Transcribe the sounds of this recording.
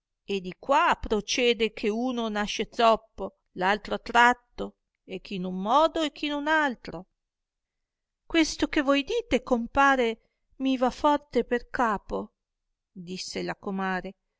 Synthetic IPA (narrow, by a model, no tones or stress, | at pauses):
ed̪ikwapɾot͡ʃɛːd̪ekʰeuːnonaʃːed̪zɔpːo | lalt̪ɾoat̪ːɾat̪ːo | ek̟ʰːinumːɔːd̪oɛk̟ʰːinunalt̪ɾo | kwest̪okevojd̪iːt̪ekompaːɾe | mivafɔrt̪eperkaːpo | d̪isːelakomaːɾe